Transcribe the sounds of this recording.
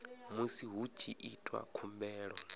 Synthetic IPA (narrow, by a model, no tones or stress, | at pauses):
musiɦut͡ʃʰiʔitʼwa̰kʰumbɛːɺɔ